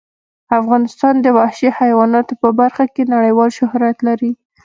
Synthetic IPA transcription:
afɣɑnɪst̪ɑnd̪əwahʃehajwɑnɑt̪opəbaɾxakenaɽəjwɑlʃʊhɾat̪laɾi

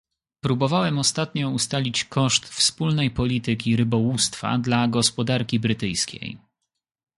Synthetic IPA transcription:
pɾubɔvawɛmɔst̪at̪ɲɔust̪alʲit͡ɕkɔʂt̪fspulnɛjpɔlʲit̪ɘkʲiɾɘbɔwust̪fa̰d̪laɡɔspɔd̪aɾkʲibɾɘt̪ɘjskʲḛj

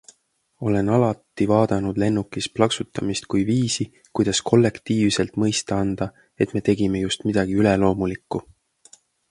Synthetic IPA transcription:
o̞le̞nɑlɑt̪ːˑivɑːd̪̥ɑnud̪̥le̞nːukːˑisplɑksut̪ːˑɑmist̪kujviːsi | kujd̪̥ɑskʰo̞lːe̞kt̪iːvse̞lt̪mɤ̞jst̪ɑɑnd̪̥ɑ | e̞t̪me̞ːt̪e̞ɡ̥imejust̪mid̪̥ɑɡ̥iylelo̞ːmulikːˑu

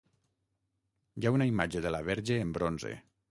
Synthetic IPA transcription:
jaunaimad͡ʒeðəlaβɛɾʒeːmbɾonzḛ

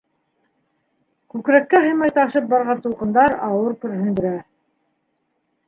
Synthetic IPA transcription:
kʉkɾækːæɦɤ̆jmɑjt̪ɑ̆ʃɤp̚bɑɾʁɑnt̪ulˠqɤ̆nd̪ɑɾɑwɤɾkɵ̆ɾɦɵ̆nd̪ɵ̆ɾæ

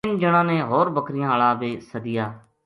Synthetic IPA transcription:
nd͡ʒəɽ̃ãːneːɦoːɾbəkɾɪjãːlaːʋeːsəd̪ɪjaː

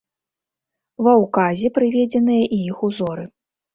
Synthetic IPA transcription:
vɐwkazʲɛpɾɨvʲɛd͡zʲɛn̪ɨjɐʔiixuzɔɾɨ

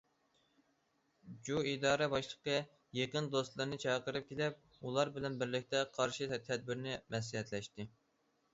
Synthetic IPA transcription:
d͡ʒuid̪ɑːɾɛbɑʃlˠəqːɑ | jeqənd̪ost̪lˠɨɾnɨt͡ʃʰɑqəɾɨp̚kʲʰelɛp̚ | ulˠɑɾbɪlɛnbɪɾlɪk̚ʲt̪ʰɛqʰɑɾʃit̪ʰɛd̪̚bɪɾnɪmɛs̬liɦɛt̪lɛʃt̪ɪ

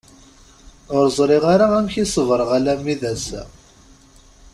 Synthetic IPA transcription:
ʊɾzˤɾˤiʁaɾaæmçisˤəvɾˤəʁalæmːiðæs

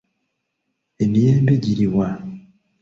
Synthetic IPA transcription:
emijeːmbeɟiɾiwa

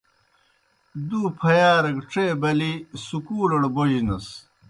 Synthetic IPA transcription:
d̪uːpʰɐjaːɾɐkʈ͡ʂeːbɐlisukuːlɐɽbojd͡ʑinɐs

